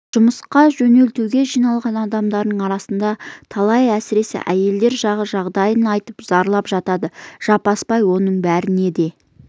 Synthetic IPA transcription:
ʒ̥ʊməsqɑʒɵne̞lt̪uwɡʲe̞ʒijnɑlˠʁɑnɑd̪ɑmd̪ɑɾd̪əɴɑɾɑsənd̪ɑt̪ʰɑlˠɑjæsɪɾe̞sɪ̰ʔæje̞ld̪e̞ɾʒɑʁəʒɑʁd̪ɑjənɑjt̪əpz̥ɑɾlˠɑpʒɑt̪ɑd̪əʒ̥ɑpɑspɑjwo̞nəɴbæɾɪne̞d̪e̞

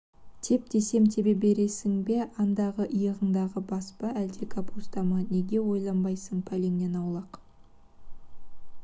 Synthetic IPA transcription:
t̪ʰe̞p̚d̪ʰe̞se̞mt̪ʰe̞be̞be̞ɾe̞sɪŋbe̞ʔɑnd̪ɑʁəʔəjəʁəɴd̪ɑʁəbɑspɑæld̪e̞kʰapust̪ɑmɑne̞ɡʲe̞wo̞jlˠɑmbɑjsəɴpʰæle̞ŋne̞nɑwlˠɑq

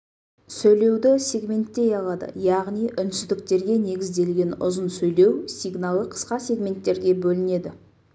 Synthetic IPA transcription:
sɵjle̞wd̪ɪsʲe̞ɡmʲe̞nt̪ːe̞jɑlˠɑd̪ə̰jɑʁnijʔʏnsʏzd̪ɪk̚t̪e̞ɾɡʲe̞ne̞ɡʲɪzd̪e̞lɡʲe̞nʊ̰zənsɵjle̞wsiɡnalˠəqʰə̥sqɑsʲe̞ɡmʲe̞nt̪ːe̞ɾɡʲe̞bɵlɪne̞d̪ɪ

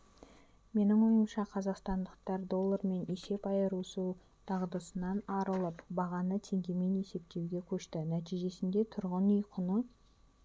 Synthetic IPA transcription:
me̞nɪŋmojəmʃɑqʰɑzɑqst̪ɑnd̪əq̚t̪ɑɾd̪o̞lˠːɑɾme̞nese̞pɑjəɾusu | t̪ʰɑʁd̪əsənɑnɑɾəlˠəpbɑʁɑnət̪ʰe̞ŋɡʲe̞me̞ne̞se̞p̚t̪ewɡʲe̞kʲʰɵʃt̪ɪnæt̪ijʒe̞sɪnd̪e̞t̪ʰʊɾʁənʏjqʰənə

